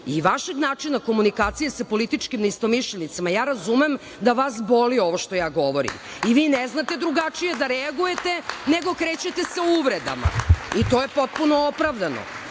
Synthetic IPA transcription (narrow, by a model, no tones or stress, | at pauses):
iʋaʃeɡnaːt͡ʂinako̞munikaːt̪sijesapo̞lit̪it͡ʃkimnist̪omiʃʎenit̪samajaːɾazumem | d̪aʋasbolioʋoʃt̪o̞jaːɡoʋo̞ɾḭm | iʋiːneznat̪e̞d̪ɾuɡat͡ʂije̞d̪aɾɛaɡuje̞t̪eneɡo̞kɾet͡ɕet̪eseuʋɾed̪a̰ma̰it̪oːje̞pot̪̚punoopɾaʋd̪ano̰